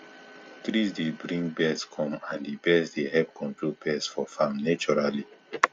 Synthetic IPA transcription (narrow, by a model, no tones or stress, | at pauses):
tɾisdebɹĩŋɡbɛskʰɔ̃mãndibɛsdehɛp̚kʰɔ̃ntɹot̚b̥ɛsfɔfãmnat͡ʃɔɹali